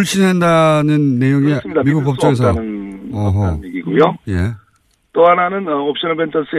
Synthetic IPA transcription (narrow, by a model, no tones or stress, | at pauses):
uɭɕ͈inɦandanɯnːe̞joŋiɯmidamiɡuk̚p͈ʌp̚t͡ɕ͈ʌɡes̬ʰʌɯnʌɦʌiɡiɡujoje̞ | t͈oɦananɯnʌop̚ɕ͈inʌbent͡ɕʰʌs͈ʰɯ